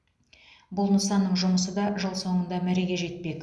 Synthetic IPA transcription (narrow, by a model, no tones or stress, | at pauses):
bʊlˠnəsɑnːəɴʒʊməsəd̪ɑʒəlˠso̞ɴənd̪ɑmæɾe̞ɡʲe̞ʒe̞t̪̚pe̞kʲ